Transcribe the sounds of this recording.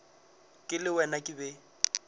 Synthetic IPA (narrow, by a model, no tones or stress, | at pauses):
kʼɪlɪwɛnakʼɪbɛ